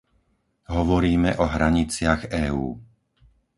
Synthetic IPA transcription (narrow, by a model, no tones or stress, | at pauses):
ɦɔʋɔɾiːmɛʔɔɦɾaɲit͡sɪaɣɛːṵː